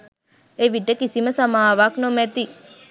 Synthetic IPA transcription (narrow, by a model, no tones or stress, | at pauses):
eʋiʈekisimɐsɐmaːʋaknomet̪i